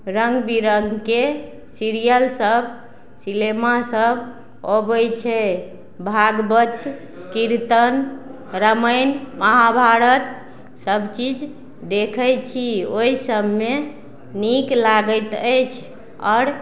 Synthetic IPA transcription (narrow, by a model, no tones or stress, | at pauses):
ɾəŋɡbiɾəŋɡke | siɾijəlsəb | silemasəbʱ | ɦobəjt͡ʃʰɛ | bʱaɡbət̪ | kiɾt̪ən | ɾəməjnməɦabʱaɾət̪ | səbt͡ʃid͡ʒ | d̪ekʰəjt͡ʃʰioisəbme | niklaɡət̪əjt͡ʃʰ | ɔːɾ